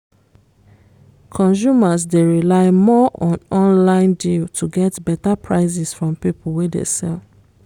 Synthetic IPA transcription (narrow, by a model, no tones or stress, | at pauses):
kʰɔ̃ns̬umas̬deɹilaɪmɔʔɔ̃nɔ̃nlãɪ̃ndiltʰuɡɛtbɛtapʰɹaɪs̬isfɹɔ̃mpipʊl̩wedḛsɛ̰l